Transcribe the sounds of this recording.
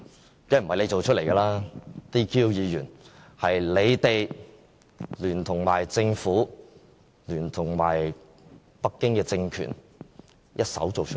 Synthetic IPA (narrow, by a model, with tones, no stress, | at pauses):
kɐ˥m̩˨ɐ˨jle˨˧jt͡so˨wt͡ʃʰɵ˥t̚le˨˩jɡɐ˧laː˥t̪iː˥kʰiː˥wjiː˨˧jyː˨˩n | hɐ˨jle˨˧jt̪e˨j | lyː˨˩nt̪ʰʊ˨˩ŋmaː˨˩jt͡sɪ˧ŋfuː˨˥ | lyː˨˩nt̪ʰʊ˨˩ŋma̰ː˨˩j | pɐ˥kːɪ˥ŋkɛː˧t͡sɪ˧ŋkʰy̰˨˩n | jʔɐ˥t̚sɐ̰˨˥wt͡so˨wt͡ʃʰ